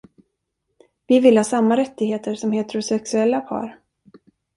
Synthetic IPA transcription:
vɪvɪlhɑːsamːaɾɛt̪ːɪɡheːt̪ʰəʂɔmheːt̪ɛɾʊsɛksɵɛlːapʰɑ̰ːɾ

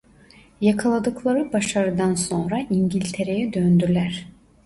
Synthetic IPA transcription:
jakʰalˠad̪ɯklˠaɾɯbaʃaɾɯd̪anso̞nɾaʔiɲɟilʲt̪ʰe̞ɾejɛd̪ønd̪ylʲæɾ̥

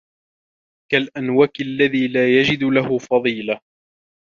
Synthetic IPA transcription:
kalʔanwaːkalːaðiːlaːjad͡ʒɪd̪lahʊfɑðˤiːla

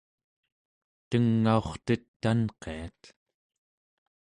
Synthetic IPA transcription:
t̪əŋːao̞χt̪ət̪ːanqe̞at̪

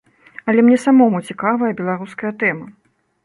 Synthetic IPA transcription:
ɐlʲɛmnʲɛsamɔmut͡sʲikavɐjɐbʲɛlˠaɾuskɐjɐt̪ɛmɐ

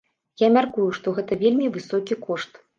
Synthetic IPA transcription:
jamʲarkujuʂt̪ɔɣɛt̪ɐvʲelʲmʲivɨsɔkʲikɔʂt̪

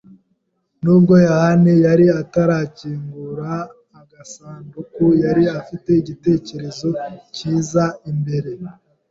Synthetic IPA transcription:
nuːbɡo̞jahanejaɾiataɾaciːŋɡuɾaː | ɡasaːndukujaɾiafite̞iɟite̞ːce̞ɾezo̞ciːzaimbe̞ɾe̞

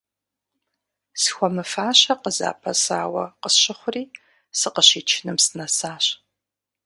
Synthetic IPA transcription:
sxʷɔmɨfaːɕɐqəza̰ːpʰɐsaːwɐqəsɕɪχʷʊriː | sɨqəɕiːt͡ʃʰɪnɨmsɨnɐsaːɕ

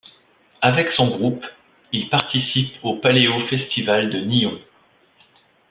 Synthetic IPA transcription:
avɛksɔ̃ɡʁup | ilpaʁt̪isipopaleofɛst̪ivald̪əniɔ̃

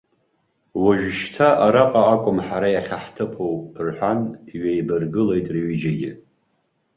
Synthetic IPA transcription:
waʒᶣɪʃtʰaʔaɾaqʼaːkʷʼʊmħaɾajaχʲaħtʰɨpʰowʼrħʷaniɥajbɨrɡɨle̞jtʼriɥid͡ʒaɡʲɪ̰

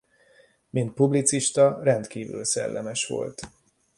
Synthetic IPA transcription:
mint̪̚publit̪siʃt̪ɒrɛnt̪kiːvy̰lsɛ̰lːɛmɛʃʋo̞̰lt̪

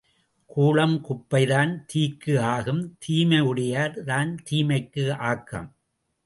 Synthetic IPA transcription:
kʰuːɭɐmkʊpːɐɪðaːnt̪iːkːɯaːɣɯmt̪ʰiːmɐɪʊɽɪjaːɾt̪aːnt̪iːmɐɪkːɯaːkːɐ̰m

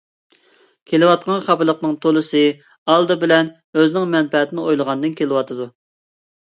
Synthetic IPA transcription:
kʲʰelɪwɑt̪̚qʰɑnχɑpɨlˠəqnɨŋt̪ʰolˠɨsɨ | ɑlˠd̪ɨbɪlɛn | øznɪŋmɛnpɛɛt̪ʰɪnɨojlˠəʁɑnd̪ɨnkʲʰelɪwɑt̪ʰɨd̪u

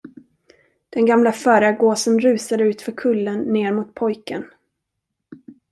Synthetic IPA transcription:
d̪̥ɛnɡamlafœːɾaɡoːsənɾʉ̟ːsad̪əʉ̟ːt̪fœɾkʰɵlːənːeːɾmʊt̪̚pʰɔjkən

